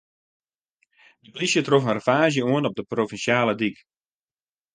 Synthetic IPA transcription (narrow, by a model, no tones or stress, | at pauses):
dəblisjətrofənrəfaːʒjəuənɔp̚dəprovinsjaːlədik